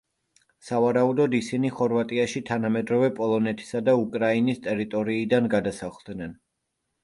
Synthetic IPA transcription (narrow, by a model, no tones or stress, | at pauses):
savaɾaud̪ɔd̪isiniχɔɾvat̪ʼiaʃit̪ʰanamɛd̪ɾɔvɛpʼɔlˠɔnɛt̪ʰi̥sad̪aukʼɾainist̪ʼɛɾit̪ʼɔɾiːd̪anɡad̪asaχlˠd̪nɛn